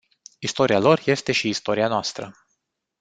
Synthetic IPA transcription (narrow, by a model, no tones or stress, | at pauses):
ist̪o̞ɾialo̞rje̞st̪e̞ʃiːst̪o̞ɾianoast̪ɾə